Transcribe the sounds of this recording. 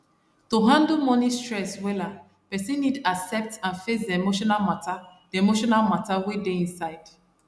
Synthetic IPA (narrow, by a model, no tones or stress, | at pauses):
toɦãndəmɔnistɹɛswɛla | pɛsĩnːidasɛp̚tãnfes̬demoʃɔnamatademoʃɔnalmatawedeĩnsaɪd̥